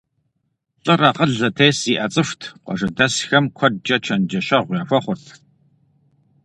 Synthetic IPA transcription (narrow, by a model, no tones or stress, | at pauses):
ɕʼɨrɐqəɮɐtʰeːsiːʔɐt͡sʼɨfʷtʰqʷɔ̰ʒɐdɐsxɐmkʷʰɔd̚d͡ʒʼɐt͡ʃʰɐnd͡ʒɐʃɐʁʷjaːfʷɐχʷʊrtʰ